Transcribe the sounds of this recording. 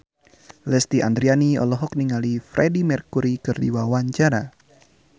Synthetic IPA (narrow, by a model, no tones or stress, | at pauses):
lɛst̪iʔand̪ɾianiɔ̰lɔɦɔk̚niŋalifɾɛdimɛrkuɾikɨrdḭwawaɲt͡ʃaɾa